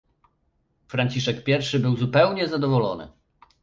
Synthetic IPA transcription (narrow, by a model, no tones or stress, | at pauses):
fɾaɲʲt͡ɕiʂɛkpʲjɛɾfʂɘbɘwzupɛwɲɛzad̪ɔvɔlɔ̰nɘ̰